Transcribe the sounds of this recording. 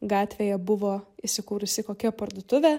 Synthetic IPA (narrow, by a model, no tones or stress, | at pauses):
ɡɑːt̪ʲʋʲejɛbʊʋoːɪsʲɪkuːɾʊsʲɪkoːkʲɛpɐɾd̪ʊt̪ʊʋʲe